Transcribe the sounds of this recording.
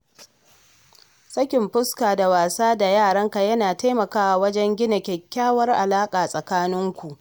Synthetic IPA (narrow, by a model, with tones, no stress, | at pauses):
sɐ˦kʲɪ˨mɸʊ˦skaː˨da˨waː˨saː˦da˨jaː˦˨ɽɐ˦ŋka˨jɐ˦naː˨ta˦jmɐ˨kaː˦ʔa˨wɐ˦d͡ʒɛ˦ŋɡʲɪ˦na˨kʲɛ˨kʲːaː˦wɐ˦rʔa˨laː˦kʼaː˨sʼɐ˨kaː˦nɪ˦ŋkʷu˨ʔ